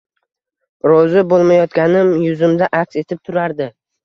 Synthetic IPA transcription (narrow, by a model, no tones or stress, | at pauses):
ɾɒzɪbolˠmajɒt̪ɡʲanɪmjʊzɪmd̪aʔakse̞t̪ʰɪp̚t̪ʰʊɾaɾd̪ɪ